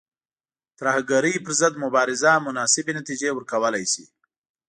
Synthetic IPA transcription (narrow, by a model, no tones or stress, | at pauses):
t̪ɾahaɡaɾəjpəɾzəd̪mʊbɑɾɪzamʊnɑsɪbenat̪id͡ʒewəɾkawəlajsḭ